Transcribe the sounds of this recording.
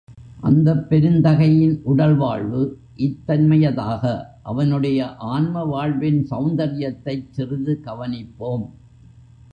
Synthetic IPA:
ʔɐ̰nd̪ɐpːɛɾɯnd̪ɐɣɐjɪnʔʊɽɐlʋa̰ːɭʋɯ | ʔɪt̪ːɐnmɐjɐða̰ːɣɐʔɐ̰ʋɐnɯɽɐjɐʔaːnmɐʋaːɻʋɪnsɐʊnd̪ɐɾɪjɐt̪ːɐɪt͡ʃːɪrɪðɯɡɐʋɐnɪpːoːm

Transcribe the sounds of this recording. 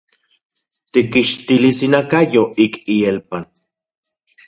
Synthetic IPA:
t̪ikːiʃt̪ilisinakajoʔikielpan

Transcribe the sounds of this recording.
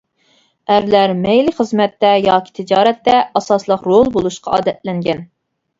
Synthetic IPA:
æɾlæɾmɛjliχəzmɛt̪ːɛjɑːkʲʰi̥t̪ʰɪd͡ʒɑːɾɛt̪ːɛɑsɑslˠəqɾolˠbolˠuʃqɑɑ̰ːd̪ɛt̪lɛŋɡʲɛn

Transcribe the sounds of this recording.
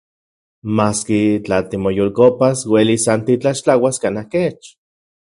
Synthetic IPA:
maːskit͡ɬat̪imojolkopaswelisant̪it͡ɬaʃt͡ɬawaskanahket͡ʃ

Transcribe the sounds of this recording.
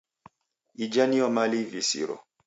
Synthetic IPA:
id͡ʒaniɔmalivisḭɾɔ̰

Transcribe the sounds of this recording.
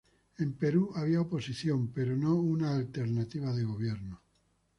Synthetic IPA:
empeɾuaβ̞iaopo̞siθjompeɾonounaːlt̪eɾnat̪iβ̞aðeɣ̞oβ̞jeɾno

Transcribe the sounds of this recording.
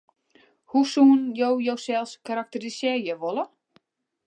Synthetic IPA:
husuənjowjowsɛlˠskaɾak̚tərisjɪjɛjʋolə

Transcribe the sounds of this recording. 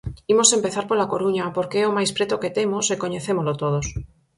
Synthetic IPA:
imosempeθaɾpolakoɾuɲapoɾkeɛomajspɾet̪oket̪emosekoɲeθemozlot̪oðos

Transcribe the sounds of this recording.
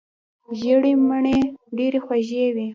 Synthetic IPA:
ʒəɽiməɳeɖeɾexwaʒewi

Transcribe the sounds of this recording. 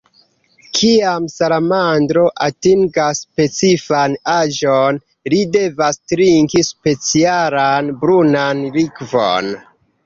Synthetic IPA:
kʰiamsalamandɾo̞ʔatiŋɡaspe̞t͡sifanaʒon | lide̞vastɾiŋkispe̞t͡sialanbɾunanlikvo̞̰n

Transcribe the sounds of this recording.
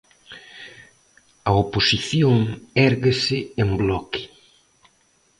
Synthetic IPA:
ɐoposiθjoŋɛɾɣesɪemblɔkɪ̥

